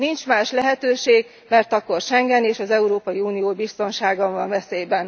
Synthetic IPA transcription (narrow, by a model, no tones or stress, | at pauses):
nint͡ʃmaːʃlɛɦɛt̪øːʃeːɡ | mɛrt̪ɒkːo̞rʃɛŋɡɛneːʃɒzɛuɾoːpɒjiuːnijoːbist̪o̞nʃaːɡɒɱvɒɱvɛseːbɛn